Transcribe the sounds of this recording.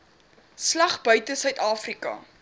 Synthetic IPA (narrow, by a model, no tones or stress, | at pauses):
slɐχbœɥtəsœɥtɑːfrikɐ̰